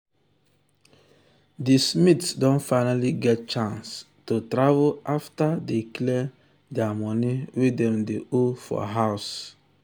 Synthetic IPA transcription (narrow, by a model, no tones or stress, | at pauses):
dismitsdɔ̃nfaɪnaliɡɛt̚t͡ʃãns | totɾavoʔaftadeklɛ | dɛamɔniwedɛ̃mdeofɔ̰ɦaʊs